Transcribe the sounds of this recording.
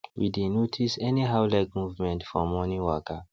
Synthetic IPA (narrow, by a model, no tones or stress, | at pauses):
wḭdenotʰisɛniɦaʊlɛɡmuvmɛ̃ntfɔmɔniwɔka